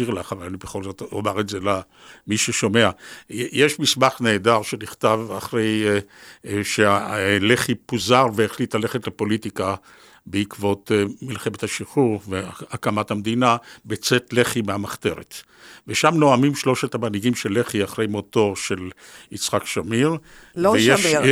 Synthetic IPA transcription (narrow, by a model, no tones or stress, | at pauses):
iʁlaχavalanibeχo̞lzo̞t̪omaʁezela | miʃeʃo̞meajeʃmismaχne̞ːdaʁʃeniχt̪avaχʁej | ʃealeχipuzaʁveːχlitlale̞χetlepo̞litika | beikvo̞t̪milχemet̪haʃiχuʁveakamathamd̪inabet͡setle̞χimeamaχt̪e̞ʁet | veʃamnoamimʃlo̞ʃethamaniɡimʃelːeχiaχʁe̞jmoto̞ʁʃe̞l | it͡sχakʃamiʁ | eje